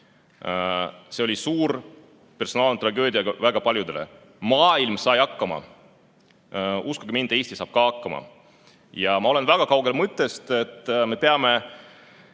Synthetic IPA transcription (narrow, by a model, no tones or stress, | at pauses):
se̞o̞lʲisuːɾ | pe̞rso̞nɑːlnt̪rɑɡø̞ːd̪iɑɡ̥ɑvæɡ̥ɑpɑlʲjud̪̥e̞le̞̰ | mɑːilmsɑjɑkːɑmɑ̰ | uskuɡ̥imind̪̥e̞ːst̪isɑːb̥̚kɑːɑkːɑmɑ̰ | jɑmɑo̞le̞nvæɡ̥ɑkɑwɡ̥e̞lmɤt̪ˑːe̞st̪e̞t̪ːˑme̞pe̞ɑme̞